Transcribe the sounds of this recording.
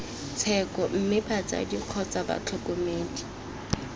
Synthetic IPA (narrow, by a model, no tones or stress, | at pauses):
t͡sʰɛkʼɔm̩mɪbat͡sʼa̰diq͡χʰɔt͡sʼaba̰t͡ɬʰɔkʼɔmeːdʼi̥